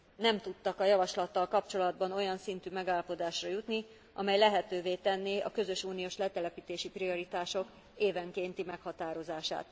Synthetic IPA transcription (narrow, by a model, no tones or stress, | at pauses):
nɛmt̪ut̪ːɒkɒjɒvɒʃlɒt̪ːɒlkɒpt͡ʃo̞lɒd̪bɒno̞jɒnsint̪yːmɛɡaːlːɒpo̞d̪aːʃrɒjut̪ni | ʔɒ̰mɛjlɛɦɛt̪øːveːt̪ɛnːiɒ̰kø̞zø̞ʃuːnijoːʃlɛt̪ɛlɛpit̪eːʃiprio̞ɾit̪aːʃo̞k | eːvɛŋkeːnt̪imɛkhɒt̪aːɾo̞zaːʃa̰ːt̪